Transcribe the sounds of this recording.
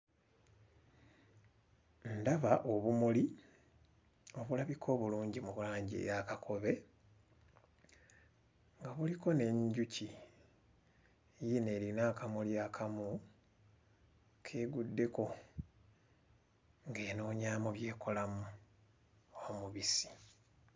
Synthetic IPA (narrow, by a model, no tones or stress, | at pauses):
ndaβaʔo̞βumuli | o̞βulaβikʰo̞ːβuluːɲɟimuβulaːɲɟḭjakakʰo̞βe̞ | ŋɡaβuliko̞ne̞ɲɟuci | jine̞ːɾinaːkamuljakʰamu | kʰe̞ːɡudːe̞ko̞ | ŋɡe̞ːno̞ːɲaːmoβje̞ːkʰo̞lamu | omuβisi̥